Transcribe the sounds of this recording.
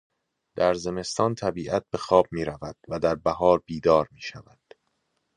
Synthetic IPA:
d̪̥æɾze̞me̞st̪ɒːnt̪ʰæbiːʔæt̪̚be̞xɒːb̚miːɾævæd̪̥̚væd̪æɾbæhɒːɾbiːd̪ɒːɾmiːʃævæd̪̥

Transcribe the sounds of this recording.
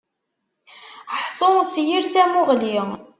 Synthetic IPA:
ħsˤosjiɾθæmʊʁliʁ

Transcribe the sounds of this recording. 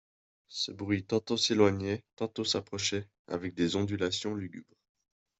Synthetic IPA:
səbʁɥit̪ɑ̃t̪oselwaɲɛt̪ɑ̃t̪osapχɔʃɛ | a̰vɛk̚d̪ezɔ̃d̪ylasjɔ̃lyɡʲy̰bʁ

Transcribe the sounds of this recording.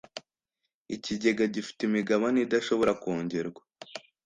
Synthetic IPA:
iciɟe̞ɡaɟifi̥timiɡaβanidaʃo̞βo̞ɾakoːɲɟeɾɡwa

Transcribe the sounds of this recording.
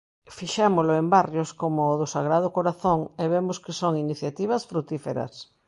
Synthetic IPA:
fiʃɛmʊlʊembarjoskomʊːðʊsaɣ̞ɾað̞ʊkoɾaθoŋeβemʊskɪsoŋiniθjat̪iβɐsfɾut̪ifeɾɐ̰s

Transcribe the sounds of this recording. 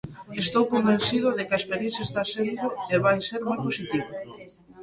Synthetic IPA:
est̪owkombẽn̟θiðʊðekɐespeɾjenθjɐest̪asend̪ʊeβajseɾmojposit̪iβ̞o

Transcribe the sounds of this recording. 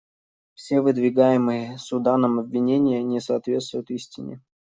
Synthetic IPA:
fsʲevɨd̪vʲɪɡajɪmɨjəsʊd̪anəmɐbʲvʲːɪnʲenʲɪjənʲɪsɐːt̪vʲe̞t̪st̪vʊjʊt̪isʲtʲɪnʲɪ̰

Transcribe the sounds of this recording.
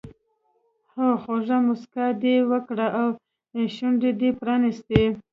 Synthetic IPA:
hoxoʒamʊskad̪ewəkɽaʔaw | ʃuɳɖed̪epɾɑnist̪e

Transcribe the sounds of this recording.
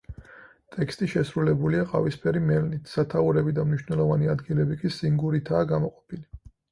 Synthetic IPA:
t̪ʼɛkst̪ʼiʃɛsɾulɛbuliaqʼa̰vispʰɛɾimɛlnit̪ʰsat̪ʰauɾɛbid̪amniʃnɛlˠɔvaniad̪ɡilɛbikʼisiŋɡuɾit̪ʰaːɡamɔqʼɔ̥pʰili

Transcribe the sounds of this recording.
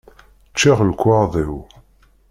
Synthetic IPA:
t͡ʃːiʁlkʷːɑðˤiw

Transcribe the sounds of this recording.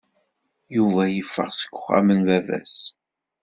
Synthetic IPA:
juvæjəfːə̰ʁsə̥kʷːʊχæ̰mənvævæ̰s

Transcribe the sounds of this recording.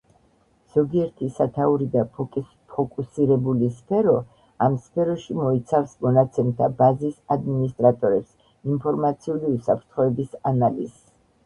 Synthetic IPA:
z̥ɔɡiɛɾt̪ʰisat̪ʰauɾid̪a | pʰɔkʼusiɾɛbulispʰɛɾɔ | amspʰɛɾɔʃimɔit̪sʰafsmɔnat̪sʰɛmt̪ʰabazisad̪minist̪ʼɾat̪ʼɔɾɛps | impʰɔɾmat̪sʰiuliusapʰɾt̪ʰχɔɛbisanalḭz̥

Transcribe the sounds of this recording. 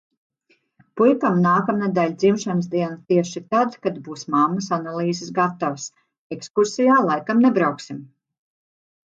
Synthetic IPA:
pujkamnaːkamnad̪alʲd̪zimʃans̬d̪iɛnat̪iɛʃit̪ad̪kad̪buːsmamːɐsanalˠiːzɨsɡat̪avəs | ekskuɾsijaːlˠajkamnebɾawksim

